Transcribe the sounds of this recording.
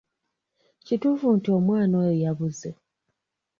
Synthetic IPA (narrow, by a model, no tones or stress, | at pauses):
cituːfuntio̞mwaːnojejaβuze